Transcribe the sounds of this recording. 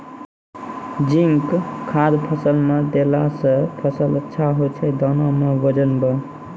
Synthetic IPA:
d͡ʒiŋkkʰad̪pʰəsəlmed̪elasə̃pʰəsələtːʃʰaɦojt͡ʃʰɛd̪ɔnɔmebəd͡ʒənbʌ

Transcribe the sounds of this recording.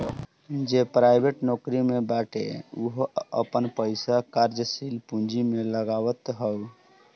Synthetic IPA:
d͡ʒepɾajbeʈnokɾimebaʈḛuɦə̰pənpəɪsakaɾd͡ʒəsilpũnd͡ʒimeləɡawət̪ɦəw

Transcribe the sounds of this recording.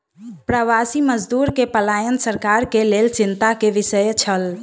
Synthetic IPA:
pɾəʋasiməd͡ʒd̪uɾkepəlajənsəɾkaɾkelelt͡ʃint̪akeʋisəjt͡ʃʰəl

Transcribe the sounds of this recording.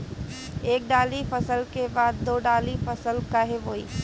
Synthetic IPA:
eːk̚ɖaːlifəsəlkebaːd̪̚ːoːɖaːlifɐsəlkaɦeʋoːḭː

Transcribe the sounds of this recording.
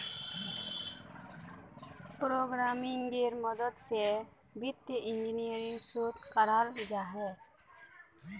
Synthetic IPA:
pɾoɡɾamiŋɡeɾmɔd̪ɔd̪se | bit̪jəʔind͡ʒinijəɾiŋɡsut̪kaɾald͡ʒaɦɛ

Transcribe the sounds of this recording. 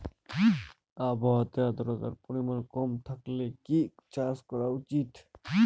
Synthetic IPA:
abɔɦat̪ead̪ɔɾɔt̪a̰ɾpɔɾimankɔmt̪ʰaklekit͡ʃaskɔɾaut͡ʃit̪

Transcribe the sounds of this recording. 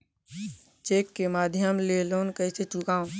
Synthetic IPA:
t͡ʃekːemaːd̪ʱjəmlelonkəɪset͡ʃukãːũn

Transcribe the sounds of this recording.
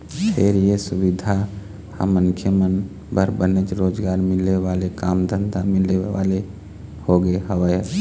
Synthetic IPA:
pʰeɾjesubid̪ʱa | ha̰məŋkʰjəmən | bəɾbənet͡ʃɾoːd͡ʒɡaːɾmɪleʋaːlekaːmd̪ʱənd̪amɪleʋa̰le | hoɡeɦəʋəj

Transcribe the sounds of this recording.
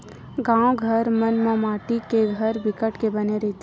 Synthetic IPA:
ɡãːoɡʱəɾmənmẽmaːʈikeɡʱɐɾbɪkəʈkebɐneɾɛɦt̪

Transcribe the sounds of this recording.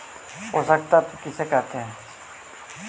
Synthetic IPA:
ɦosək̚t̪at̪ukɪsekɛɾt̪eɦɛː

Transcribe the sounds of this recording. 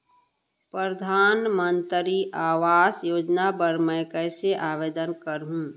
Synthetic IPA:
pɾəɾəd̪ʱaːnmənt̪ɾiʔaːʋaːsjoːd͡ʒnapəɾmɛ̃kəɪseʔaːʋeːd̪ənkəɾɦũː

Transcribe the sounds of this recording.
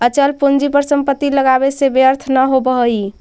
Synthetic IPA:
ət͡ʃəlpond͡ʒipəɾsəmpət̪ːiləɡabesebjəɾt̪ʰnəɦobəɦəj

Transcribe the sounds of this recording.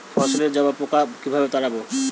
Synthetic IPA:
fɔʃoleɾd͡ʑaoapokakibʱabet̪aɾabo

